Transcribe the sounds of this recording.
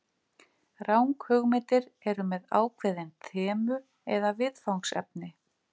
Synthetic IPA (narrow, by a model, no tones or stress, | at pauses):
rawŋkhœɣmɛːt̪ɪɾɛɾʏmɛða̰ːwkʰvɛːðɪnt̪ʰɛːmʏ | ɛðavɪðfawnsɛ̰p̚nɪ